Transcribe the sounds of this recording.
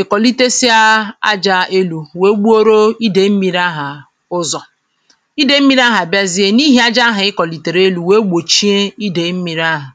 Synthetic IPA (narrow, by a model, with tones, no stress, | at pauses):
ɪ˨kɔ˨li˦te˦si˦a˦a̰˦d͡ʒa˦e˦lu˨we˦ɡ͡bu˦o˦ɾo˦i˦de˨m̩˦mi˨ɾa˦ɦa˨ | ʊ˦zɔ˨ | i˦de˦m̩˦mi˨ɾa˦ɦa˨bja˦zi˦e˦ni˦ɦi˦a˦d͡ʒa˦ɦa˨ɪ˦kɔ˨li˨te˨ɾe˦lu˨we˦ɡ͡bo˨t͡ʃi˦e˦i˦de˨m̩˦mi˨ɾa˦ɦa˨